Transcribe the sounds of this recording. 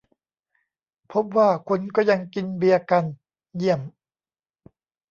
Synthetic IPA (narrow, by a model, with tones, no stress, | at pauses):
pʰo˦˥p̚waː˥˩kʰu˧nkɔː˥˩ja˧ŋki˧nbi˧ɐka˧n | ji˥˩əm